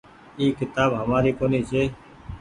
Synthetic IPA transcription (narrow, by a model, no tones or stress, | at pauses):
iːkɪt̪aːbɦəmaːɾiːkoːniːt͡ʃʰeː